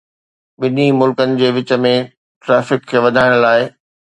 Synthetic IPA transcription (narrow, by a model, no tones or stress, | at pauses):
ɓɪnimʊlkənɪ̆d͡ʑeːʋɪt͡ɕə̆mẽ | ʈɾɛːfɪkʰːeːʋɐd̪ʱaːɪɽ̃laːɪ